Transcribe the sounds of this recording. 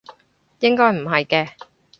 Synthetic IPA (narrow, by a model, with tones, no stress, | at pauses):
jɪ˥ŋkɔː˥jm̩˨˩ɦɐ˨jkɛː˧